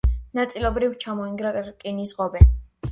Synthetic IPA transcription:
nat̪sʼilˠɔbɾivmt͡ʃʰamɔiŋɡɾakʼinisʁɔbɛ

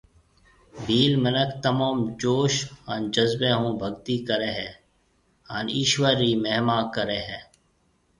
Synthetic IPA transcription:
bʱiːlmənəkʰt̪əmoːmd͡ʒoːʃɦənd͡ʒəzbẽːɦũːbʱəɡt̪iːkəɾeːɦɛː | ɦaniːʃwəɾːiːmeɦmaːkəɾeːɦɛː

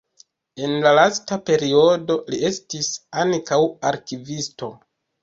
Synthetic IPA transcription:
e̞nlalastape̞ɾio̞do̞liʔe̞stisaŋkawaɾkivisto̞

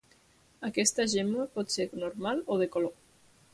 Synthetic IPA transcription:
akɛst̪aʒɛməpɔt̪senoɾmaloðekolo

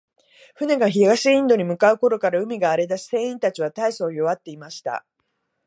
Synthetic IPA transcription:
ɸɯ̟ne̞ɡaçiɡaɕiĩnd̪o̞ɲ̟imɯ̟kaɯ̟ko̞ɾo̞kaɾaɯ̟mʲiɡaːɾe̞d̪aɕi̥sẽ̞ːĩnt̪at͡ɕiβat̪aiso̞ːjo̞βat̪ːe̞imaɕi̥t̪a̰

